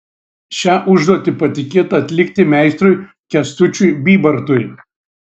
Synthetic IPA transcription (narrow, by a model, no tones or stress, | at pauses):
ʃʲæːʔʊʒd̪oɔt̪ʲɪpɐt̪ʲɪkʲeːt̪ɐɐt̪ʲlʲɪkt̪ʲɪmʲɛɪst̪ɾʊj | kʲɛst̪ʊt͡ʃʲʊjbʲiːbɐɾt̪ʊɪ